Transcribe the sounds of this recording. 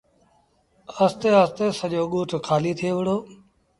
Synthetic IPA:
əst̪eːəst̪eːsəʄoːɠuːʈʰkʰaːliːt̪ʰieːʋɪɽoː

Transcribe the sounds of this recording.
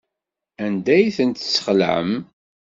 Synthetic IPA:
ænd̪æjθənt̪sːə̥χlʕə̰m

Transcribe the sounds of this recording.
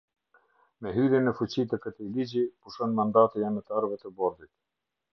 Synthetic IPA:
mɛɦyɾjɛnɛfut͡ɕit̪əkət̪ilid͡ʑipuʃɔnmand̪at̪ɛjanət̪aɾvɛt̪əbɔɾðit̪

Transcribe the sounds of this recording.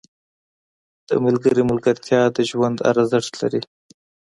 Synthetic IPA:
d̪̥ə̰malɡəɾimʊlɡaɾt̪ʰjɑd̪əʒwand̪a̰ɾazaʈ̪la̰ɾi

